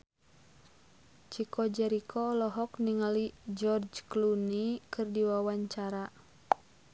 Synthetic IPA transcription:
t͡ʃikʰɔd͡ʒɛɾikʰɔlɔɦɔkniŋalid͡ʒɔrd͡ʒklunikʰɨrdiwawaɲt͡ʃaɾa

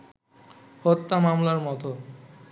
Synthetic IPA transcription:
hot̪ːamamlaɾmɔt̪o

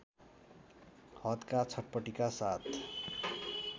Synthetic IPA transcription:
hʌt̪kat͡sʰʌʈ̚pʌʈikasat̪ʰ

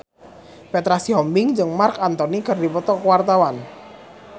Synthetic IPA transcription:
pet̪ɾasiɦɔmbɪŋd͡ʒɨŋmarkant̪ɔnikɨrdipɔt̪ɔkwart̪awan

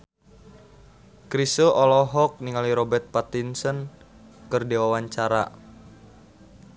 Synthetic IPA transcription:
kɾisoʔɔlɔɦɔk̚niŋaliɾɔbərt̪̚pat̪insən | kɨrdewawaɲt͡ʃaɾa̰

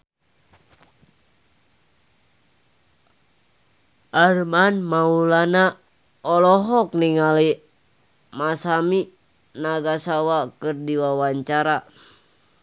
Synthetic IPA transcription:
armanmaulana | ɔlɔɦɔk̚niŋali | masami | naɡasawakɨrdiwawaɲt͡ʃaɾa

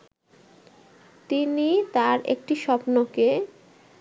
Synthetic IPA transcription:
t̪init̪aɾḛk̚ʈiʃɔpnoke

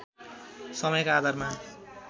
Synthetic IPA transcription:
sʌmʌjkaːd̪ʱarma

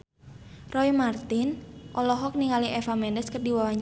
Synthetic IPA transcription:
rɔimart̪inʔɔlɔɦɔk̚niŋaliʔɛfamɛndɛskərdiwawaɲ

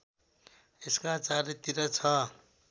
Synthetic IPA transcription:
eskat͡saɾit̪iɾʌt͡sʰʌ

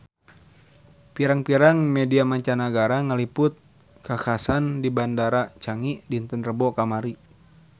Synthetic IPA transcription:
piɾaŋpiɾaŋmɛdiamaɲt͡ʃanaɡaɾaŋalipʊt̪̚ | kakasandibandaɾat͡ʃaŋidint̪ənrəbɔkamaɾi

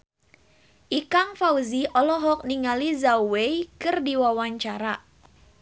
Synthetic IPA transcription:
ʔikaŋfauziʔɔlɔɦɔk̚niŋalizawejkɨrdiwawaɲt͡ʃaɾa

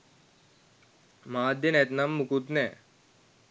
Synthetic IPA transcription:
maːd̪jɐnet̪nɐmːukut̪nɛː

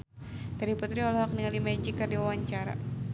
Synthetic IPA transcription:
daɾiput̪ɾiɔlɔɦak̚niŋalimad͡ʒikɨrdiwawaɲt͡ʃaɾa̰

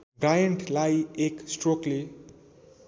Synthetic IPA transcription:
ɡɾajəɳʈlajeksʈrokle

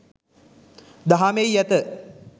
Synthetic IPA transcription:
d̪aɦamejjæt̪ə

